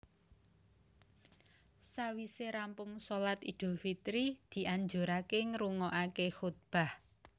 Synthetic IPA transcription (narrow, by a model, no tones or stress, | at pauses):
sawiseɾampʊŋsolat̪id̪̥ʊ̤lfit̪ɾid̪̥i̤ʔaɲd͡ʒoɾakeŋɾuŋɔʔakexut̪̚b̥a̤h